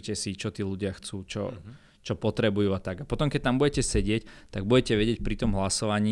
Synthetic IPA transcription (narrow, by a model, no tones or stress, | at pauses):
cɛsit͡ʃɔt̪iːluɟɪaxt͡suːt͡ʃɔ̰ | t͡ʃɔpɔt̪ɾɛbujuːat̪aɡapɔt̪ɔmkɛc̚t̪ambuɟɛcɛsɛɟɪɛct̪aɡ̚buɟɛcɛʋɛɟɪɛc̚pɾit̪ɔmɦlasɔʋaɲiː